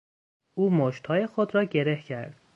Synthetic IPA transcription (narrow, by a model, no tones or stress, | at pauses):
ʔuːmoʃt̪hɒːje̞xod̪ɾɒːɟe̞ɾehcʰæ̰ɾd̪̥